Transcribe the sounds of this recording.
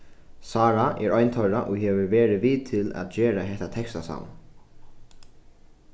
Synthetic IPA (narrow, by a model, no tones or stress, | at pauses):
saːɾaʔɛɹɔjnt̪ʰɔjɾaʔɔɣɦɛːvɪɹvɛːɾɪʋit̪ʰɪla̰ðd͡ʒɛːɾaɦɛht̪at̪ʰɛkst̪asa̰wn